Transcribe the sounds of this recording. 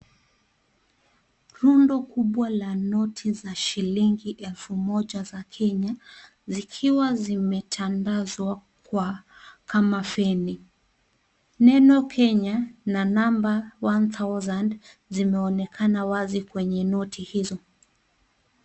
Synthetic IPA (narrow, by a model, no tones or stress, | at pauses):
ɾundɔkuɓwalanɔtʰizaʃiliŋɡiʔɛlfumɔʄazakʰɛɲa | zikʰiwazimɛtʰandazwakwakʰamafɛni | nɛnɔkʰɛɲananambawantazand | zimɛɔnɛkʰanawazikwɛɲɛnɔtʰihizɔ